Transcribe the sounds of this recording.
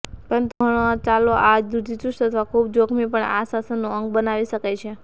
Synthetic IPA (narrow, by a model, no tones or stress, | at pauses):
pəɾənt̪uɡʱəɽ̃ot͡ʃaloʔad͡ʒd̪ud̪it͡ʃust̪ət̪ʰʋakʰubd͡ʒokʰmipəɳasasənːuəŋɡbənaʋiʃəkajt͡ʃʰe